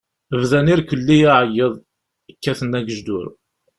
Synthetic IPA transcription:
əvðæniɾkəlːijaʕəjːəðˤ | əkːæθənːæɡəʒd̪ʊ̰ɾ

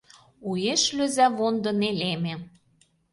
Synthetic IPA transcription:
ujeʃløzæβond̪ɤ̆nelemĕ

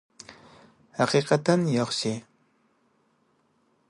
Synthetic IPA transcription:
haqiqat̪anjoχɕi

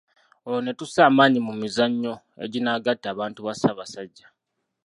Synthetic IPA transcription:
oone̞tusaːmaːɲimumizaɲːo̞ | e̞̰ɟinaːɡatːaːβaːntuβasaːβasaɟːa

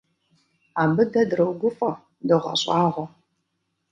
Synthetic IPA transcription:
aːmbɨdɐdɾɐwɡʷʊfɐ | dɨʁʷɐ̰ɕʼɑːʁʷɔ

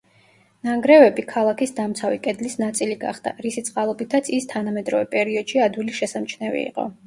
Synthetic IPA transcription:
naŋɡɾɛvɛbikʰalˠakʰisd̪amt̪sʰavikʼɛd̪lisnat̪sʼiliɡa̰χd̪̥a̰ɾisit̪sʼqʼalˠɔbit̪ʰat̪sʰist̪ʰanamɛd̪ɾɔvɛpʼɛɾiɔd̪̥ʃiad̪wiliʃɛsamt͡ʃʰnɛvḭḭqʼɔ̰

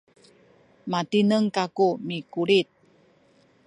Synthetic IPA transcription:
matinəŋkakumikuɾit̪̚

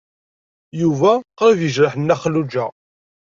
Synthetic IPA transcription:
juvæqəɾvjəʒɾəħənːæχlud͡ʒæ

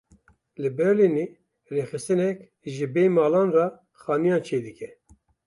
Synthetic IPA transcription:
lɨbɛɾlineː | reːxɨst̪ɨnɛkʲ | ʒɨbeːmɑːlɑːnrɑ | xɑːnijɑːnt͡ʃʰeːd̪ɨkʰɛ

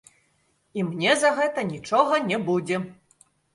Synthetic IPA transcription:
imnʲɛzɐɣɛt̪ɐnʲit͡ʂɔɣɐnʲɛbud͡zʲɛ

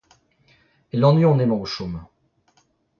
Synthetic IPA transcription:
elɑ̃nɥiɔ̃nemɑ̃oʃom

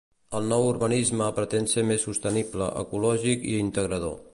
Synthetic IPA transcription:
əlˠnɔwuɾβənizməpɾət̪ensemesːust̪əniblə̰ʔə̰kulɔʒikḭint̪əɣɾəðo̰

